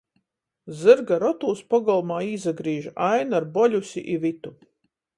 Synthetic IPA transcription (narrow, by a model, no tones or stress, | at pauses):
zɨɾɡaɾɔt̪uːspɔɡɔlˠmaːiːzaɡɾiːʒajnaɾbɔʎʲusʲḭʔivit̪u